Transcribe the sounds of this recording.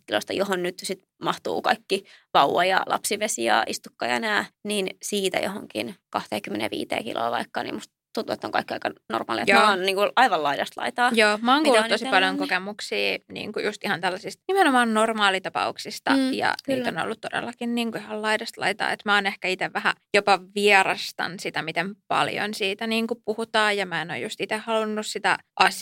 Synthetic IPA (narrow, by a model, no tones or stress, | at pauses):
kilost̪ɑjoɦonnyt̪sit̪ | mɑht̪ṵːkɑikːiʋɑuwɑjɑlʔɑ̰psiʋesiɑ̰ːʔist̪ukːɑjɑnæːniːnsiːt̪æ̰johoŋkḭnkɑht̪eːkymːenḛʋḭːt̪ḛːkḭlʔo̰ːʋɑikːɑnḭːmust̪ | t̪unt̪uet̪ːoŋkɑikːiɑikɑno̰rmɑ̰ːlḭɑejoːnniːŋkuʔɑiʋɑlɑidɑst̪lɑ̰it̪ɑːjoːmɑːŋkuːlːut̪osipɑljoŋkokemuksiːnḭːŋkujust̪ihɑnt̪ælːæsist̪nimenomɑːnnormɑːlit̪ɑpɑ̰uksist̪ɑ̰jɑ̰kyt̪ːono̰lːut̪todḛlːɑkinniːŋkuihɑllɑidɑst̪lɑ̰it̪ɑ̰ːet̪mæoːnehkæit̪eʋʋæhæ̰jopɑʋiɛrɑst̪ɑ̰nsit̪æmit̪empɑ̰ljo̰nsiːt̪æniːŋkuppuhut̪ɑːjɑmæeno̰jjust̪it̪ehhɑlunːussit̪æ̰ʔɑs